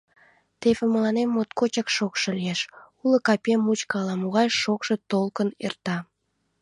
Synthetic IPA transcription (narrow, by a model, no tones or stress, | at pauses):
t̪eβeməlɑnemːot̪kot͡ɕɑkʃokʃelieʃulokɑpʲemːut͡ɕkɑlɑmoɣɑjʃokʃe̽t̪olkənḛrt̪ɑ